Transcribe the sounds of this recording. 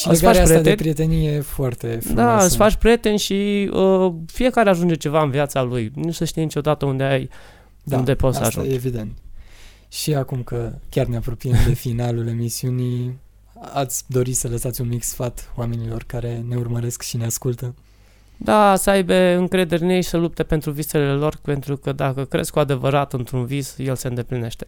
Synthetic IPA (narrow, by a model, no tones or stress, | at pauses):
ʃilɨesɡfaɾʃapsɾet̪ad̪epɾie̞t̪e̞nijeefoart̪e̞fd̪aɨssfat͡ʃʃpɾije̞t̪e̞nʲʃiəfije̞kaɾeaʒund͡ʒet͡ʃe̞vaɨnviat̪salujnusəʃt̪ijnit͡ʃo̞d̪at̪əund̪eaj | und̪e̞po̞t̪sə̰a̰ʒṵned͡ʒevid̪e̞nt̪ | ʃiakumkəkʲarneapɾo̞pijemd̪e̞finalule̞misiuni | at̪sʲd̪o̞ɾit̪sələsat̪sʲunmiksfat̪wame̞nilo̞rkaɾe̞ne̞urməɾe̞skʃineaskult̪ə | d̪asəajbe̞ɨŋkɾe̞d̪e̞ɾʲnejsəlup̚t̪e̞pe̞nt̪ɾuvise̞le̞lo̞rpe̞nt̪ɾukəd̪akəkɾezkoad̪e̞vəɾat̪ɨnt̪ɾunvizje̞lse̞ɨnd̪e̞pline̞ʃt̪e